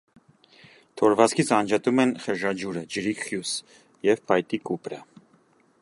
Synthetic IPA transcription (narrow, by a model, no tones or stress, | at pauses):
t̪ʰɔɾvɑt͡skʰit͡sʰɑnd͡ʒɑt̪umɛnχəʒɑd͡ʒuɾəd͡ʒəɾikχjus | jɛvpʰɑjt̪ikupɾə̰